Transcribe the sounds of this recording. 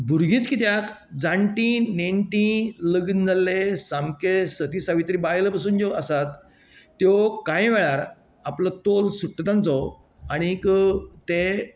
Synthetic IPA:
bʱuɾɡʱĩt̪kit̪jat̪ | d͡zãɳʈĩneɳʈĩləɡnd͡zalːesamkesət̪isaʋit̪ɾibajləpasuːnd͡ʑɔəsat̪ː | jɔkãjʋɛɭaɾ | aplɔt̪olsuʈːt̪ãnt͡sɔ | aɽ̃ikt̪e

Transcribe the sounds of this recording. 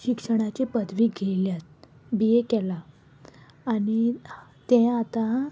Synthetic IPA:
ɕikʂəɽ̃at͡ɕipəd̪ʋiːɡʱeljat̪ | biekɛla | aːɽ̃it̪ẽat̪a

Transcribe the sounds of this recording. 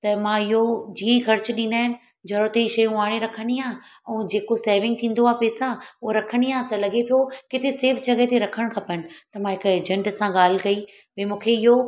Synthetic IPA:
t̪ɐmãɪɦod͡ʑiːə̃ĩxɐɾt͡ɕɗĩːnaːɪnɪ̆ | d͡ʑʱɐɾot̪eiʃɐjũaːɽ̃eɾɐkʰəɽ̃ijãːɛ̃ːd͡ʑeːkoseːʋɪ̃ŋɡ̚t̪ʰĩːnd̪oaːpeːsãʊɦoɾɐkʰəɽ̃ijaːt̪ɐlɐɠepijokɪt̪ʰeseːfd͡ʑɐɡet̪eɾɐkʰəɽ̃kʰɐpəñɪ̆t̪ɐmãːɦɪkeːd͡ʑə̃ɳʈsãɠaːl̤ɪ̆kɐi | ʋemũːkʰeɪɦo

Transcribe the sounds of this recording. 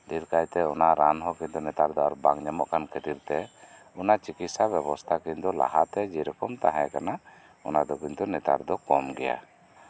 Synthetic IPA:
d̪iɾkajt̪ɛɔnaɾanɦɔkiɲt̪unɛt̪aɾd̪ɔaɾbaŋɲamɔʔkʰankʰɛt̪iɾt̪ɛ | ɔnat͡ʃikit̪sabjɛbɔst̪ʰakiɲt̪ɔla̰ɦat̪ɛd͡ʒiɾɔkɔmt̪aɦɛ̃kana | ɔnad̪ɔkint̪unɛt̪a̰ɾd̪ɔkɔmɡɛja̰

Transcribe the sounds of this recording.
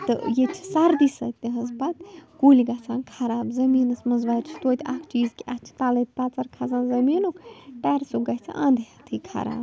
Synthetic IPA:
t̪ɨ̰jet͡ʃʰi̥sɐɾd̪isɐ̰t̪ːeɦɐzpat̪kuːliɡɐt͡sʰaːnkʰɐɾaːbzɐmiːnɨsmɐzʋaɾt͡ʃʰt̪oːt̪ʰʲakʰt͡ʃiːzkʲiʔɐt͡ʃʰi̥t̪alɐt̪̚ʰʲpɐt̪t͡sɐɾkʰazaːnzɐmiːnokʈɛːɾsoɡɐt͡sʰa̰ʔãːnd̪eɐt̪ʰɨːkʰɐ̰ɾa̰ːb

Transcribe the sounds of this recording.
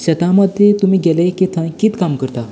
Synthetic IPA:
ɕət̪ãməd̪ʱjet̪umiːɡɛlejkit̪ʰãkit̪kamkəɾt̪a

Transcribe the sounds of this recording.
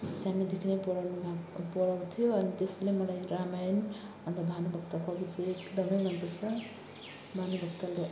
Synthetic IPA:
sanid̪ikʰnepɔɽanmapɔɽawt̪ʰijoʌnit̪eslemʌlajɾamajn | ʌnt̪ʌbʱanubʱʌkt̪akʌbit͡sːkd̪ʌmʌjmʌnpʌɾsʰʌ | bʱanubʱʌkt̪ale

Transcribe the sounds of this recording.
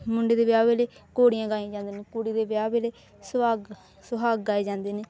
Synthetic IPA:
mʊɳɖeːd̪eːbjaːbeːleːkoːɽijãːɡaːĩːd͡ʒãːnd̪eːneːkoːɽiːd̪eːbjaːbeːleː | saːɡ | sʊɦaːɡɡaːeːd͡ʒãːnd̪eːneː

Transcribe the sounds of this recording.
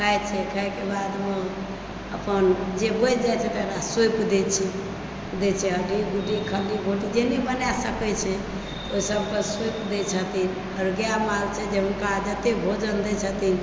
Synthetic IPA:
kəɛt͡ʃʰɛkʰəɦɛkebad̪me | əpənd͡ʒebot͡ʃd͡ʒat͡ʃʰɛt̪ːɾasepd̪et͡ʃʰɛ | d̪et͡ʃʰɛəɖiɡʱuʈikʰəliɡʱoʈid͡ʒenɛbənasəkɛt͡ʃʰɛ | t̪oisəb̚kəsepd̪ɛt͡ʃʰət̪in | əɾɡjamalt͡ʃʰɛd͡ʒeɦunkad͡ʒət̪ebʱod͡ʒənd̪ɛt͡ʃʰət̪in

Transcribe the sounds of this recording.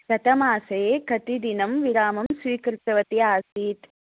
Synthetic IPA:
kɐʈ̪ɐmaːsɐekɐt̪id̪inɐmʋiɾaːmɐmsʋiːkɾɨt̪ːɐʋɐt̪iaːsiːt̪

